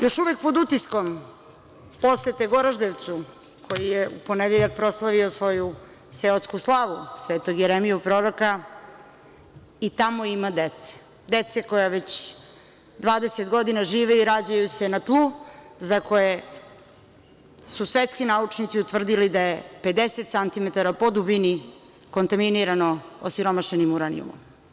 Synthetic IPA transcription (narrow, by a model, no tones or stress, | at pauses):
jo̞ʃuʋek̚po̞d̪ut̪isko̞m | po̞set̪eɡo̞ɾaʒd̪eʋt̪su | kʰo̞jijeupo̞ned̪eʎak̚pɾo̞slˠaʋio̞sʋo̞ju | seot̪skuslˠaːʋusʋeːt̪oɡjeɾemijupɾoɾoka | it̪amoimad̪et̪se̥ | d̪et̪seko̞jaʋet͡ɕ | d̪ʋaːd̪eset̪ɡo̞d̪inaʒiːʋeiɾad͡ʑajuse̞nat̪lˠuːzakoje | susʋet̪skinaut͡ʂnit̪siut̪ʋr̩d̪ilid̪ajepe̞d̪eset̪sant̪imet̪aɾapo̞d̪ubini | kont̪aminiɾano̞osiɾo̞maʃenimuɾanḭṵmṵm